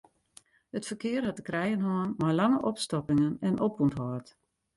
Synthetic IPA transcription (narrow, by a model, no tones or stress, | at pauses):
hətfərkɪərhat̚dəkrɛjənɦɔənmajlaŋəʔɔpstɔpɪŋənɛnɔpuntɦɔːt